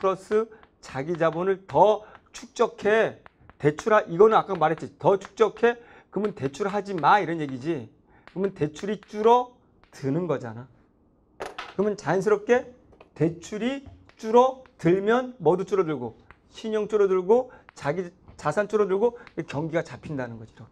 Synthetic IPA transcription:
pʰɯɾʌs͈ʰɯ | t͡ɕaɡid͡ʑabonɯɭtʌt͡ɕʰuk̚t͡ɕ͈ʌkʰe̞ | te̞t͡ɕʰuɾaʔiɡʌnɯnak͈amaɾɦe̞t̚t͡ɕ͈itʌt͡ɕʰu̥k̚t͡ɕ͈ʌkʰe̞ | kɯmɯnte̞t͡ɕʰuɾɦad͡ʑimaiɾʌnjeɡid͡ʑi | kɯmɯnte̞t͡ɕʰuɾit͡ɕ͈uɾʌ | tɯnɯnɡʌd͡ʑa̰na | kɯmɯnt͡ɕans̬ʰɯɾʌp̚k͈e̞ | te̞t͡ɕʰuɾi | t͡ɕ͈uɾʌtɯɭmjʌnmʌdut͡ɕ͈uɾʌdɯɭɡo | ɕʰiɲʌŋt͡ɕ͈uɾʌduɭɡot͡ɕaɡit͡ɕasʰant͡ɕ͈ʰuɾʌdɯɭɡokekjʌŋɡiɡat͡ɕapʰindanɯnɡʌd͡ʑiɾo

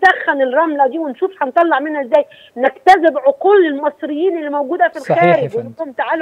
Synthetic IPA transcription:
d̪æxːænelrˤɑmlæd̪iːwenʃuːfħɑnt̪ˤɑlːɑʕmenhæʔezːæːj | nekt̪æzɪbʕoquːlelmɑsˤɾɪjːiːnʔelːimæwɡuːd̪hæfilxæːɾɪɡwerːoquːmt̪aʕaːl

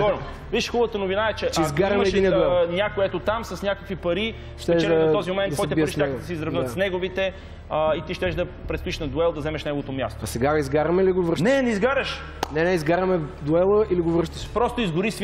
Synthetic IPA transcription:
ɔɾn | viʃxɔbvət̪ənovinaɛt͡ʃɛt͡ʃɛizɡaɾɐmɛːdiniəd̪ɛlˠnʲjakoɛt̪ot̪amsɐsnʲakəkvipɐɾi | ʃt̪ɛʃt͡ʃɛld̪ɛɐɐɔzimomɛntd̪spɔɛbiəɾiʃaɛɡod̪ɐsizɾɐvnəd̪snɛɡovit̪ɛ | it̪iʃt̪ɛʃd̪ɐpɾɛt̪st̪ʊiʃnɐd̪ʊɛlˠd̪ɐzɛmɛʃnɛɡovot̪omʲja̰st̪oɐsɛɡaizɡaɾəmɛiliɡovʃnɛnɛizɡaɾəʃ | nɛnɛizɡaɾəmɛd̪uɛlˠəiliɡovəɾʃt̪əʃpɾɔst̪ʊizɡʊɾis

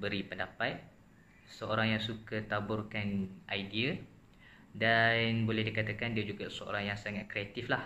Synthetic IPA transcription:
bəɾipəndapat̪̚ | səoɾaŋjaŋsukat̪abʊrkanʔajdia | danbolɛhdikat̪akandiad͡ʒuɡasəo̰ɾaŋjaŋsaŋat̪̚kɾeat̪iflah

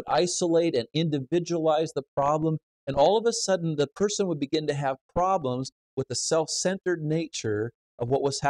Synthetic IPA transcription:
ɾa̰ɪsəleɪɾɨ̃nɪ̃ndɨvɪd͡ʒəəlaɪzðəpʰɹ̥ɑblə̃m | ɨ̃nɔlˠʌvəsʌdⁿn̩ðəpʰɜ˞sɨ̃nwəd̚bɨɡɪ̃ntɨːv̥pʰɹ̥ɑblə̃mz | wəðɨsɛlˠfsɛ̃ntə˞dⁿneɪt͡ʃə˞ | ʔʌvwʌʔ̚wʌz̥h

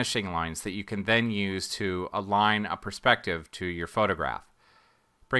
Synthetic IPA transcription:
ɨʃɪ̃ŋlãɪ̃nzðɨt͡ʃɨkʰɨ̃nðɨ̃njʉz̥tʰɨəlãɪ̃nə̰pʰə˞spɛk̚tɪv̥tʰɨjə˞foʊɾɨɡɹæ̰f | b̥ɹɪ̃

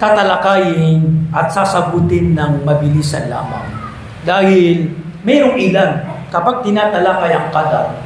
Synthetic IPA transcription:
t̪aːt̪ɐlakaːjɪnʔɐt̪̚saːsɐɡuːt̪ɪnːɐŋmɐbɪliːsɐ̰la̰ːma̰ŋ | d̪aːhɪlmɛːɾoŋɪlankɐpaɡ̚t̪ɪnaːt̪ɐlaːkajɐŋkaːd̪a̰

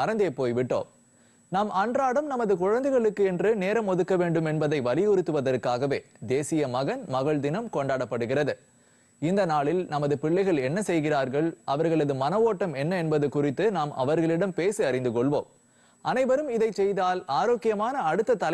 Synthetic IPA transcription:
ɐɾɐnd̪eːpoːjʋɪʈːo̰ːm | naːmʔɐɳdraːɽɐmnɐmɐðɯkʊɻɐnd̪ɐɪɣɐɭɯkːɯɛndrɯneːɾɐmɔðɯkːɐʋeːɳɖɯmɛnbɐðɐɪʋɐlɪjʊɾɯt̪ːɯʋɐðɐɾkaːɣɐʋeː | d̪eːsɪjɐmɐɣɐnmɐɣɐɭd̪ɪnɐmkɔɳɖaːɽɐpːɐɽɯɣɪrɐðɯ | ɪnd̪ɐnaːɭɪlnɐmɐðɯpɪɭːɐɪɣɐɭɛnːɐsɛjɣɪraːɾɣɐɭɐʋɐɾɣɐɭɐðɯmɐnɐʋoːʈːɐmɛnːɐɛnbɐðɯkʊrɪt̪ːɯnaːmʔɐ̰ʋɐɾɣɐɭɪɽɐmpeːsɯɐɾɪnd̪ɯkɔɭʋoːm | ʔɐnɐɪʋɐɾɯmɪðɐɪt͡ʃːɛjðaːlaːɾoːkːɪjɐmaːnɐːɽɯt̪ːɐt̪ɐlɐ

